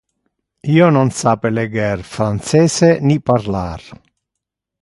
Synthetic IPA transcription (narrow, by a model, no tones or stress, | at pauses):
iːononsaːpeleɡɛrfɾant̪sɛːseniparlaːɾ